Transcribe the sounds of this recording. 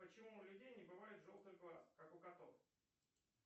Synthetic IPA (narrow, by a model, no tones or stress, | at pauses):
pət͡ɕɪmulʲʊdʲejnʲɪbɨvajɪt̪ʐolˠt̪ɨɣʲɡlˠaskakʊɡɐt̪of